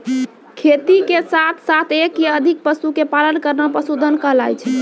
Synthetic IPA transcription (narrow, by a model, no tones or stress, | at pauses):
kʰet̪ikesat̪ʰsat̪ʰekjəd̪ʱik̚pəsukepalənkəɾnapəsud̪ʱənkəɦlajt͡ʃʰɛ